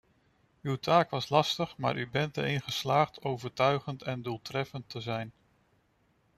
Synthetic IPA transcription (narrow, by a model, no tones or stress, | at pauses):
ywtʰaːkʋɑslɑstəχma̰ːɹʔybɛntəɾɪnχəslaːχtʰowvəɹtœɥχəntɛndulˠtrɛfəntʰəzɛjn